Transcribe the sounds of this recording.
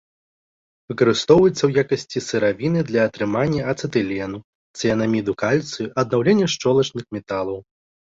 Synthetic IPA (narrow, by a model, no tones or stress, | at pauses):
vɨkɐɾɨst̪ɔwujɛt̪sːɐwjakɐsʲt͡sʲisɨɾavʲinɨd̪lʲɐːt̪ɾɨmanʲːɐɐt̪sɨt̪ɨlʲɛnu | t̪sɨjɐnamʲid̪ukalʲt̪sɨjuʔɐd̪̚nawlʲɛnʲːɐʂt͡ʂɔlˠɐt͡ʂnɨxmʲɛt̪alˠɐw